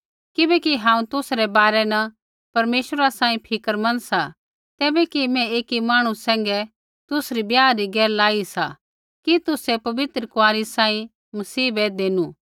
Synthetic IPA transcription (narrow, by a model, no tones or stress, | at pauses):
kɪbɛkiɦãːũt̪ʊsɾɛbaːɾɛnɐ | pɐɾmeːʃəɾasãːĩpʰɪkəɾmɐnsa | t̪ɛːbɛkimɛ̃eːkimaːɽ̃ũsɛ̃ːŋɡɛ | t̪ʊsɾibjaːɾiɡɛːllaːisa̰ | kit̪ʊsɛpɐʋɪt̪ɾəkʊaːɾisãːĩ | mɐsiːbed̪eːnũː